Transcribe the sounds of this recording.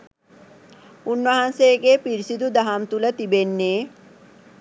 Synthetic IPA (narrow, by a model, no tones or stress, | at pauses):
unʋɐɦɐnseːɡeːpiɾisid̪ud̪ɐɦamt̪ulɐt̪ibenːeː